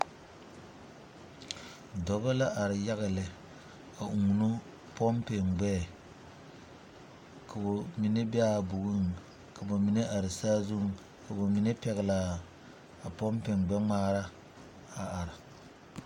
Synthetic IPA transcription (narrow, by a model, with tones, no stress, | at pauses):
dɔ˨ba˦la˦ʔa˨ɾɪ˨ja˦ɣɪ˨lɪ˨ | a˨ʔu˨ŋ˨nu˦ | pɔ˦mpe˨ŋɡ͡bɛː˦˨ | kʰa˨bo˨mi˨ne˦bɪ˦a˦˨bu˨ɡu˦ŋ˨ | ka˨bo˨mi˨ne˦ʔa˨ɾɪ˨saː˦zu˦ŋ˨ | ka˨bo˨mi˨ne˦pɛ˨ɣɪ˨la˨ | a˨pɔ˦mpe˨ŋɡ͡bɛ˦ŋ͡maː˦ɾa˦ | a˨a˨ɾɪ˨